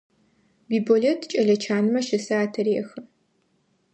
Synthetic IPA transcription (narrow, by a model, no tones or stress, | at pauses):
biːbolɛtʰt͡ʃʼɐɮɐt͡ʃʰaːnɨmɐʃɪsɨaːtʰɐɾeːxɐ